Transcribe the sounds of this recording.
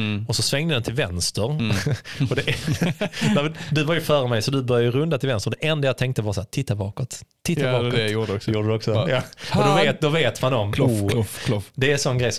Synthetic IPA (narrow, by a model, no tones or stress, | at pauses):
ɔsɔsvɛŋd̪əd̪ɛnt̪ʰɪlvɛnst̪əɾ | ɔd̪ɛ | nɛmɛnd̪ɵvaɾjɵfœːɾəmɛjsɔd̪ɵbœɾjaəɾɵnd̪at̪ɪlvɛnst̪əɾd̪ɛʔɛnd̪ajat̪ɛŋk̚t̪əvɑɾshæːɾt̪ʰɪt̪ːabɑ̰ːkɔt̪ʰː | ɪt̪ːabɑːkːjuːjuːɾɖəd̪ɔksɔjɑːɔd̪ɔveːt̪d̪ɔveːt̪mand̪ɔmː | d̪ɛæsɔnːɡɾɛjs